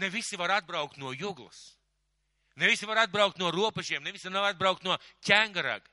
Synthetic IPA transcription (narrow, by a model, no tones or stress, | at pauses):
nevisivaɾad̪̚bɾawk̚t̪nuɔjuɡlˠɐ̰s | nevisivaɾad̪̚bɾawk̚t̪nuɔɾuɔpɛʒiɛmnevisinaɾad̪bɾawk̚t̪nuɔcʲæŋɡaɾa̰ɡ